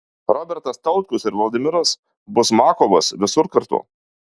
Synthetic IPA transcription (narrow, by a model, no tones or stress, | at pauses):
ɾɔbʲɛɾt̪ɐst̪ɐʊt̪kʲʊsɪɾʋɔlˠʲd̪ʲɪmʲɪɾɐs | bʊsmɑːkoʋɐsʋʲɪsʊɾkɐɾt̪ʊ̰ː